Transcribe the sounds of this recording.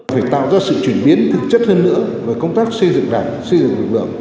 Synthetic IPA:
faː˧˩jt̪a̰ː˧˨wzaː˧sɨ̰˧˨t͡ɕwi˧˩ənɓi˨˦ənt̪ʰɨ˨˩k̚t͡ɕə˦˥t̚həː˧nːɨ̰˧˥əve˨˩kə˧wŋ͡mt̪aː˦˥k̚si˧zɨ̰˧˨ŋɗaː˧˩ŋsi˧zɨ̰˧˨ŋvɨ˨˩lɨ̰˧˩m

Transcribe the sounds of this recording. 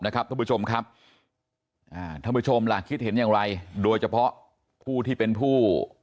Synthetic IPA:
na˦˥kʰa˦˥p̚t̪ʰːpu˦˥˩t͡ɕʰo˧mkʰa˦˥p̚ | ʔaː˧˩t̪ʰa˧˩mpu˦˥t͡ɕʰo˧mlaː˨˩kʰːi˦˥t̪̚ɦe˩˦njaː˨˩ŋɾa˧jdoː˧jt͡ɕʰa˧pʰɔ˦˥ʔ | pʰuː˥˩t̪ʰiː˥˩pe˧npʰuː˥˩

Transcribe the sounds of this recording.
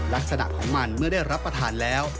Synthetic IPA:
la˦˥k̚sa˧na̰˨˩ʔkʰːɔː˩˦ŋma˧nmɯ˥˩ɐdaː˥˩jɾa˦˥pːɾa˧t̪ʰaː˧nlɛː˦˥w

